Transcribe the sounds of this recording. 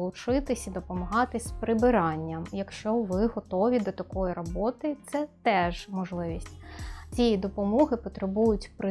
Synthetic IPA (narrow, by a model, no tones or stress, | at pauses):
lˠʊt͡ʃɪt̪ɪsʲid̪ɔpɔmɐɦɑt̪ɪsʲpɾɪbɪɾɑnʲːɐmjɐkʃt͡ʃɔʋɪɦɔt̪ɔʋʲid̪ɔt̪ɐkɔjiɾɔbɔt̪ɪt̪sɛt̪ɛʒmɔʒlˠɪʋʲisʲtʲt͡sʲijid̪ɔpɔmɔɦɪpɔt̪ɾebujʊtʲpɾɪ